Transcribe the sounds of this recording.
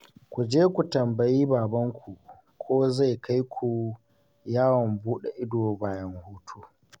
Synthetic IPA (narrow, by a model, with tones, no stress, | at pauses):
kʷu˨d͡ʒeː˦kʷu˨tɐ˨mbɐ˨jiː˦baː˨bɐ˦ŋkʷu˨ | kʷʰoː˦za˦˨jka˦jkʷʰu˨ | jaː˦wɔ˨mbuː˦ɗe˨ʔɪ˦doː˨baː˨jɐ˦ŋhuː˦tʰuː˦